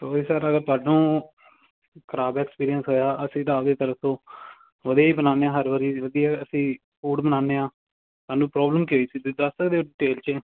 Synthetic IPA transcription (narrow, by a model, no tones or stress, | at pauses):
soːisaːɾəɡəɾt̪ʊaːɖũː | kʰəɾaːbɛːkspiːɾijənsɦoːjaːʔəsĩːt̪aːʋd̪eːt̪əɾət̪õː | ʋəd̪ijaːiːbənaːneːãːɦəɾʋəɾiːʋəɡ̪iːɛːəsĩː | puːɖbənaːneːãː | t̪ʊaːnũːpɾɔːbləmkioiːsiːd̪ʊd̪ast̪əkd̪eːɖɪʈeːlt͡ʃe